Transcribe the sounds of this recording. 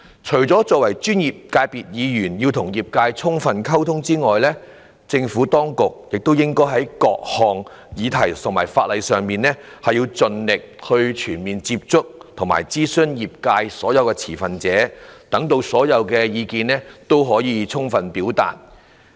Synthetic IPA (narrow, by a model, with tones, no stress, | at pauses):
t͡ʃʰɵ˨˩ɥt͡sɔː˨˥t͡sɔː˧k̚wɐ˨˩jt͡ʃyː˥njiː˨p̚kaː˧jpiː˨t̚jiː˨˧jyː˨˩njiː˧wt̪ʰʊ˨˩ŋjiː˨p̚kaː˧jt͡sʰʊ˥ŋfɐ˨nkʰɐ˥wt̪ʰʊ˥ŋt͡siː˥ŋɔː˨jlɛː˥ | t͡sɪ˧ŋfuː˨˥t̪ɔː˥ŋkʊ˨k̚jɪ˨k̚t̪o˥wjɪ˥ŋkɔː˥jɦɐ˨˥jkɔː˧k̚hɔː˨˩ŋ | jiː˨˧t̪ʰɐ˨˩jt̪ʰʊ˨˩ŋmaː˨˩jfaː˧t̚lɐ˨jsœː˨ŋmiː˨nlɛː˥ | hɐ˨jːiː˧wt͡sɵ˨˧nlɪ˨k̚hɵ˧ɥt͡ʃʰyː˨˩nmiː˨nt͡siː˧p̚t͡sʊ˥k̚t̪ʰʊ˨˩ŋma̰ː˨˩jt͡siː˥sɵ˥njiː˨˩p̚kaː˧jsɔː˨˥jɐ˨˧wkɛː˧t͡sʰiː˨˩fɐ˨nt͡sɛː˨˥t̪ɐ˨˥ŋt̪o˧wsɔː˨˥jɐ˨˧wkɛː˧jiː˨˧kiː˧nɛ˥t̪o˥wɦɔː˨˥jiː˨˧t͡sʰʊ˥ŋfɐ˨npiː˨˥wt̪a̰ː˨˩t̚